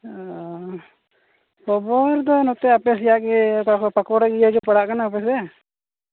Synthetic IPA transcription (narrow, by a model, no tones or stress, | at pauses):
pɔbɔɾd̪ɔnɔt̪ɛapɛsjaʔɡɛapakɔɽaɡijaɡɛpaɽaʔkanaːpɛsɛa